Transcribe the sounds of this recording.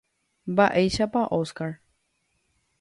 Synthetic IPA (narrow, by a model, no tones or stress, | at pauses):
mbaʔejʃapaʔoskaɾ